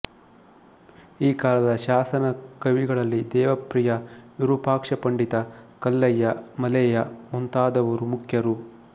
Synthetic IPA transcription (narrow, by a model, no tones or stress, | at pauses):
iːkaːlɐd̪ɐʃaːsɐnɐkɐʋiɡɐɭɐlːid̪ɛːʋɐpɾijɐjuɾupaːkʂɐpɐɳɖit̪ɐkɐlːɐjːɐmɐlɛjɐmunt̪aːd̪ɐʋɐɾumukʰjɐɾu